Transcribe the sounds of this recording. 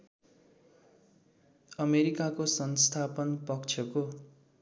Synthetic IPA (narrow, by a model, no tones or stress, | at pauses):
ʌmeɾikakosʌnst̪ʰapʌnpʌkt͡sʰʌko